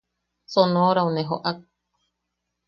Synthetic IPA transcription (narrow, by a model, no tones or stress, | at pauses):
sonõoɾaunẽɦoʔak̚